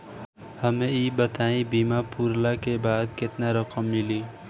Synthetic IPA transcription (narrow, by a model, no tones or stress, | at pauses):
həmẽiːbət̪aːĩbiːmapuɾlakebaːd̪kɪt̪naɾəkəmːɪliː